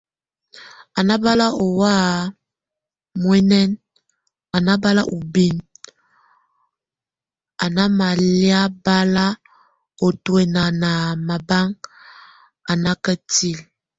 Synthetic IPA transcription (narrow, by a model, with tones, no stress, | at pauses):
a˨na˦ba˦la˦o˨wa˦˨ | mwɛ˦nɛ˦n | a˨na˦ba˦la̰˦ʔo˨bi˦˨n | a˨na˦ma˨lja˦ba˦la˦ | o˨twɛ˨na˨na˨ma˨ba˦ŋ | a˨na˦kə˦ti˦˨l